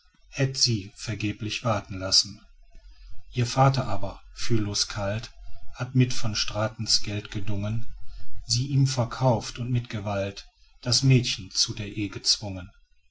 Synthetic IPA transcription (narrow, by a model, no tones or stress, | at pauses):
hɛtz̥iːfɛɐɡeːplɪçv̥aɐtn̩lasn̩ | ʔiːɐfaːtɐʔaːbɐfyːɐloːskʰalthatmɪtfɔnʃtʁ̥aːtn̩sɡ̥ɛltɡ̥ədʊŋənziːʔiːmfɛɐkʰaʊftʊntmɪtɡ̥əvalt | d̥asmɛːtçn̩t͡sudeːɐʔeːɡət͡sv̥ʊŋən